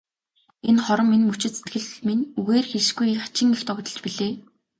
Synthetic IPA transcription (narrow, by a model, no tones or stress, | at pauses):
enχɔɾɞ̆mːinmɵt͡ɕɪ̆t̪set̪ɡɘ̆ɮminuɣeːrxeɮʃɡujχḁt͡ɕɪ̆ŋext̪ʰɔkt̪ɞ̆ɮt͡ɕpiɮeː